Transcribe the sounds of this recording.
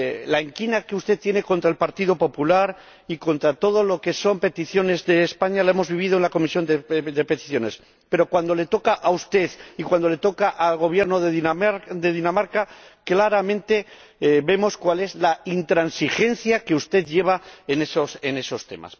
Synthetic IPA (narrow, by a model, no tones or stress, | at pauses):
lae̞ŋkinake̞ust̪et̪je̞ne̞ko̞nt̪ɾae̞lpaɾt̪iðopo̞pulaɾ | iko̞nt̪ɾat̪o̞ð̞o̞lo̞ke̞so̞mpe̞t̪iθjo̞ne̞zðe̞ːspaɲalae̞mo̞zβiβ̞ið̞oe̞nlako̞misjo̞nd̪ed̪e̞pet̪i̥θjo̞ne̞s | pe̞ɾo̞kwand̪o̞le̞t̪o̞kaʔaust̪e̞ðikwand̪o̞le̞t̪o̞kaʔalɣo̞βje̞ɾno̞ðeid̪e̞ðinamaɾkaklaɾamẽnt̪e̞ | be̞mo̞skwale̞zlaint̪ɾansixe̞nθjake̞ust̪e̞ðʝe̞β̞aenesose̞ne̞so̞st̪e̞̰ma̰s